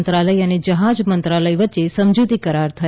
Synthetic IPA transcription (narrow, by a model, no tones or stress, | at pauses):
nt̪ɾaləjəned͡ʒəɦad͡ʒmənt̪ɾaləjʋətːʃesəmd͡ʒut̪ikəɾaɾt̪ʰə